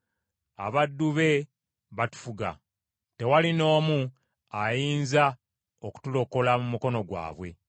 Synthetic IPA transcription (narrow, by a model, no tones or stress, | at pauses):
a̰βadːuβe̞ | βatu̥fuɡa̰ | te̞walino̞ːmu | ajiːnza | oku̥tulo̞ko̞lamumuko̞no̞ɡwa̰ːβwe̞̰